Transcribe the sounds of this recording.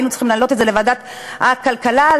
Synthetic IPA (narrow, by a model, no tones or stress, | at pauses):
jnut͡sχimlaːlo̞t̪etzelevad̪at̪ | hakalkala